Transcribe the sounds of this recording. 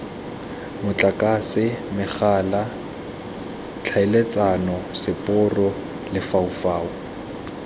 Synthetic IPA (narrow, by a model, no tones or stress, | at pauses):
mʊt͡ɬʼakʼasɪmɪχaːla | t͡ɬʰaɪlet͡sʼanɔsɪpʼʊrɔ | lɪfaufaːu